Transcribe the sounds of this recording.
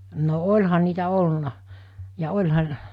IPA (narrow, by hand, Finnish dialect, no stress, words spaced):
no olʲhɑ niːtæ olːunɑ jɑ olʲhɑ